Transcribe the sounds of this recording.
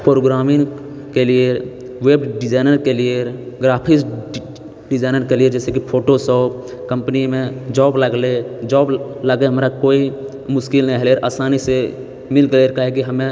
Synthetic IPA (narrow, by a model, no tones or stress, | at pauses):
pɾoːɡɾaːmɪ̃ŋ | kelie | ʋeːbɖɪd͡ʒaːɪnəɾkelie | ɡɾaːpʰɪs | ɖɪd͡ʒaːnəɾkelied͡ʒɛːsekipʰoːʈosɔːp̚ʰ | kə̃mpnimẽd͡ʒɔːbləɡled͡ʒɔːbləɡeɦəmɾakoːi | mʊʃkɪlnɦɛleɾʔaːsaːnise | mɪlɡleɾkaɦekiɦəmẽ